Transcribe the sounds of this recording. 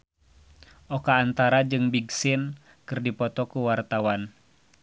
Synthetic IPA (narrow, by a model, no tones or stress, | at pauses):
ʔɔkaːnt̪aɾad͡ʒɨŋbiɡsɪn | kɨrdipɔt̪ɔkuwart̪awan